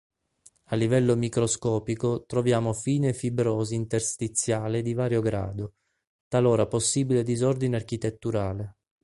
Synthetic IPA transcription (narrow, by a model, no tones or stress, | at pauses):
alːivɛlːomikɾoskɔːpikot̪ɾovjaːmofiːnefibɾoːziint̪erst̪it̪sːjaːled̪ivaːɾjoɡɾa̰ːd̪o | t̪aloːɾaposːiːbiled̪izɔrd̪ineark̟it̪et̪ːuɾaːle